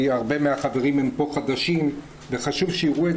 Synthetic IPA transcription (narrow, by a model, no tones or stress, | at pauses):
aʁbe̞meaχave̞ʁimempo̞χad̪aʃim | ve̞χaʃuvʃeiʁue